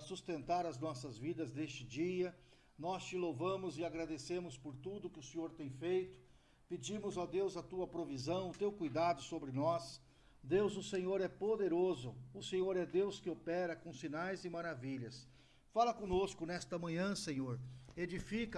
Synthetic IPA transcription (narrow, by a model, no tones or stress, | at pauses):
sust̪ẽnt̪aɾɐznɔsɐzvid̪ɐzd̪est͡ʃɪd͡ʒiɐ | nɔst͡ʃɪlowvɐ̃mʊzɪaɡɾad̪esẽmʊspoɾt̪ud̪ʊkɪʊsẽɲoɾt̪ẽj̃fejt̪ʊ̥ | pɪd͡ʒĩmʊzad̪ewzɐt̪uɐpɾovizɐ̃w̃ʊt̪ewkujd̪ad̪ʊsobɾɪnɔs | d̪ewzʊsẽɲoɾɛpod̪eɾozʊʊsẽɲoɾɛd̪ewskɪopɛɾɐkõsinajzɪmaɾaviʎɐs | falɐkõnoskʊnɛst̪ɐmɐ̃ɲɐ̃sẽɲoɾed͡ʒifikɐ